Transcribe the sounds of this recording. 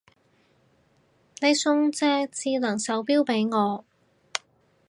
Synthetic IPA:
ne˨˧jsʊ˧ŋt͡sɛː˧t͡siː˧lɐ˨˩ŋsɐ˨˥wpiː˥wpe˨˥jŋɔː˨˧

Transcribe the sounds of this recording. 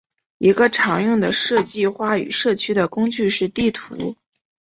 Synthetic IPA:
i˧˥ɡə˧ʈ͡ʂʰɑ˧˥ŋjʊ˥˩ŋd̪ə˩ʂɤ˥˧t͡ɕi˥˧xwa˥˩y̰˨˩ʂɤ˥˩t͡ɕʰy˥d̪ə˨kʊ˥ŋt͡ɕy˥˧ʂɻ̩˥˧t̪i˥˩t̪ʰṵ˧˥

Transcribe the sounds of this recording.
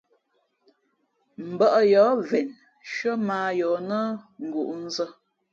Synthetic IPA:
m̩˨bə˦˨ʔə˨jɔ˨˦vɛ˨n | ʃə˦maː˨jɔ˨nə˦ŋ̩˨ɡu˨ʔn̩˦zə˦

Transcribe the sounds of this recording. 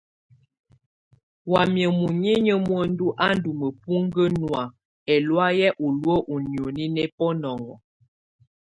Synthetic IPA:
wa˨mjə˨mu˨ɲe˦ɲə˦mwə˦n̩˦du˦ʔa˦n˦du˨mə˨pu˦ŋ˦ɡə˦nwa˨ | ɛ˨lwa˦jɛ˦ʔu˨lwə˦ʔu˨ni˨o˨ni˦nɛ˦pɔ˦nɔ˨ŋɡɔ˨

